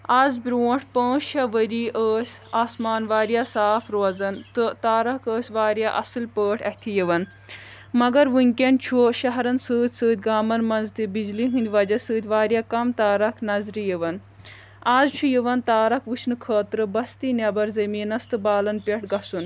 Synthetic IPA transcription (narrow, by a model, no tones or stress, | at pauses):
aːzbɾuːʈʰpə̃ːʃt͡ʃʰɐʋəɾiːʔəːsʲaːsmaːnʋaːɾjaːsaːfʰɾoːzɐnt̪ɨt̪aːɾɐkəːsʲʋaːɾjaʔɐsɨlpəːʈʰɐt̪ʰijiʋɐn | mɐɡɐɾʋɨŋʲkʲɐnt͡ʃʰuʃɐɦɾɐnsɨːt̪ʲsɨːt̪ʲɡaːmɐnmɐnzt̪ibizliɦɨnd̪ʲʋɐd͡ʒɐsɨːt̪ʲʋaːɾʲjaːkɐmt̪aːɾɐkʰnɐzɾijiʋɐn | aːzt͡ʃʰujiʋɐnt̪aːɾɐkʋɨt͡ʃʰnɨkʰɐːt̪ɾɨbɐst̪inɐbɐɾzɐmiːnɐst̪ɨbaːlɐnpʲɛʈɡɐsun